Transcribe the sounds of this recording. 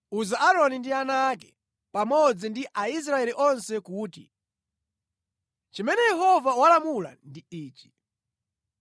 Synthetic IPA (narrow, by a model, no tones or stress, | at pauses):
uzaʔaɾɔnindianakɛ | pamɔd͡zindiʔais̬ɾaɛliʔɔnsɛkuːtḭ | t͡ʃimɛnɛjɛɦɔvawalamula̰ndiiːt͡ʃi̥